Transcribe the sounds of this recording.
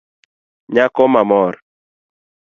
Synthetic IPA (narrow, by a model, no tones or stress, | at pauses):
ɲakɔmamɔɾ